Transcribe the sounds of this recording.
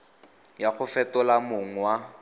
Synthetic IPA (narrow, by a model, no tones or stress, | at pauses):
jaχʊfɛtɔlamoŋ̩wa